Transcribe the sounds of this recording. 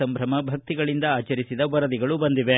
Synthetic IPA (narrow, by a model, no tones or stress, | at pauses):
ɐmbʱɾɐmɐbʱɐk̚t̪iɡɐɭind̪ɐaːt͡ʃɐɾisid̪ɐʋɐɾɐd̪iɡɐɭubɐnd̪iʋe